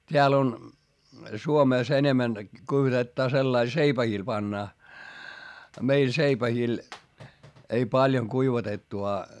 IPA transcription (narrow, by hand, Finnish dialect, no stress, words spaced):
tʲeæl on suomeˑs enemæn kuiʋɑtetːɑː selːɑil seipæhiˑl pɑnːɑː ɑ meil seipæhiˑl ei pɑljoŋ kuiʋɑtetːu ɑ